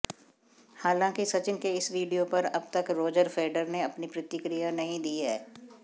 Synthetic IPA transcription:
haːlãːkisɐt͡ʃɪnkeɪsʋiːɖijopɐɾɐb̚t̪ɐkɾoːd͡ʒəɾfʰeːɖəɾneɐpnipɾɪt̪ɪkɾijanɐɦĩd̪iːɦɛː

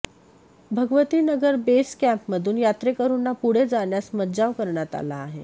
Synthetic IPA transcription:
bʱəɡʋət̪iːnəɡəɾbeskæmpməd̪ʱuːnjat̪ɾekəɾunːapuɽ̤ed͡zaɳjasmədd͡zaʋkəɾɳjat̪a̰laːɦe

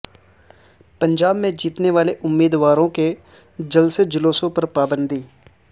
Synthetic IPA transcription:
pə̃ɲd͡ʒaːbmẽd͡ʒiːt̪neʋaːleʔʊmːiːd̪ʋaːɾõke | d͡ʒɐlsed͡ʒɪloːsõpɐɾpaːbə̃nd̪ʱiː

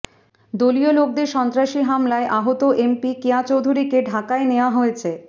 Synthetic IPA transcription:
d̪oliolok̚d̪eɾʃɔnt̪ɾaʃiɦamlaeʔaɦot̪oʔempikeat͡ɕowd̪ʱuɾikeɖʱakaeneoaɦoet͡ɕʰe

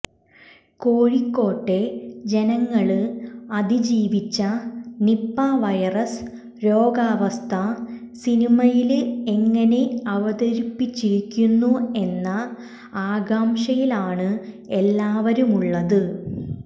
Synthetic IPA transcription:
ko̞ːɻikːo̞ːʈːe̞d͡ʑe̞nɐŋːɐɭɨɐd̪id͡ʑiːʋit͡ɕːɐnipːaʋɐjɐrɐs | ɾo̞ːɡaːʋɐst̪ʰɐ | sinimɐjileŋːɐne̞ɐʋɐd̪ɐɾipːit͡ɕːiɾikʲːunːue̞nːɐ | aːɡaːmʂɐjilaːɳɨ | e̞lːaːʋɐɾumuɭːɐðɨ

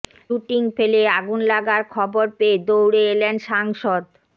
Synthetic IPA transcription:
uʈiŋfeleaɡunlaɡaɾkʰɔboɾpeed̪owɽeelenʃaŋʃod̪

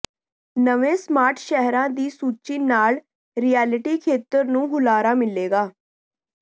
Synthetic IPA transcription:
nəʋẽːsmaːɾʈʰʃɛɦɾãːd̪iːsuːt͡ʃiːnaːl | ɾiːjɛːlɪʈiːkʰeːt̪əɾnũːɦʊlaːɾaːmɪleːɡaː

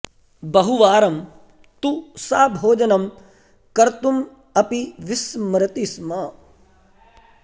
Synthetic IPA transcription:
bɐɦuʋaːɾɐm | t̪usaːbʱoːd͡ʒɐnɐm | kɐɾt̪um | ɐpiʋɪsmɾɐt̪ismaː

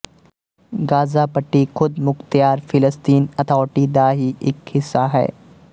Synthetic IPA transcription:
ɡaːzaːpɐʈːixʊd̪mʊxt̪ijaːɾfɪləst̪iːnɐt̪ʰɔːʈid̪aːɦiʔɪkhɪsːaɦɛ̰ː

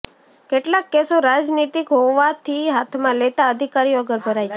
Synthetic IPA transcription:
keʈlakːesoɾad͡ʒnit̪ikɦoʋːat̪ʰiɦat̪ʰmãlet̪aəd̪ʱikaɾiəɡəɾbʱəɾajt͡ʃʰe

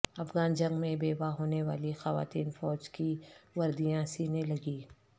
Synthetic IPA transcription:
ɐfɣaːnd͡ʒɐ̃ŋɡmẽbeːbaɦoːneʋa̰ːlixɐʋa̰ːt̪iːnfɔːd͡ʒkiʋɐɾd̪ijãsiːnelɐɡiː

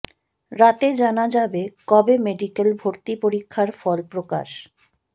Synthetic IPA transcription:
ɾat̪ed͡ʑanad͡ʑabekɔbemeɖikelbʱoɾt̪ipoɾikʰːaɾfɔlpɾoka̰ʃ

